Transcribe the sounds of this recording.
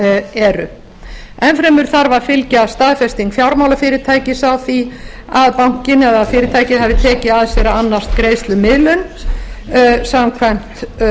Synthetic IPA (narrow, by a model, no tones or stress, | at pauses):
ɛɾʏ̰ | ɛnfɾɛmʏɾ̥θaɾvaðfɪlcast̪aːðfɛst̪iŋkfjawɾmawlafɪːɾɪɾt̪ʰaːjcɪsawθi | aðpawŋ̥cɪnɛðaðfɪːɾɪɾt̪ʰaːjcɪhavɪt̪ʰɛːcɪaðsɛɾaanːḁst̪kɾeːjst̪lʏmɪðlʏn | samkʰvajm̥t̪